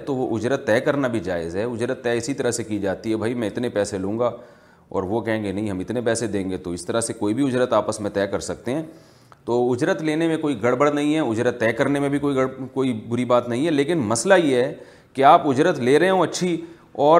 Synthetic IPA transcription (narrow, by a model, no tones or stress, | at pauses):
t̪oʋoʔʊd͡ʒɾət̪ːɛːkɐɾnabʱid͡ʒaːɪ̰zɦɛʊd͡ʒɾət̪ːɛːɪsit̪ɐɾəɦsekid͡ʒaːt̪iɦɛbʱaːimɛ̃ɪt̪nepɛːselũːŋɡaː | ɔ̰ːɾʋokɛɦẽːŋɡenɐɦĩɦɐmɪt̪nepɛːsed̪ẽːŋɡet̪oɪst̪ɐɾəsekoːibʱiʊd͡ʒɾət̪aːpəsmẽt̪ɛːkɐɾsɐk̚t̪eɦɛ̃ː | t̪oːʊd͡ʒɾət̪leːnemẽkoːiɡɐɽbəɽnɐɦĩɦɛʊd͡ʒɾət̪ːɛːkɐɾnemẽbʱikoːiɡɐɽkoːibʊɾibaːt̪nɐɦĩɦɛleːkɪnmɐslajeɦɦɛ | keaːpʊd͡ʒɾət̪leːɾɐɦeɦõɐtːʃʰi | ɔː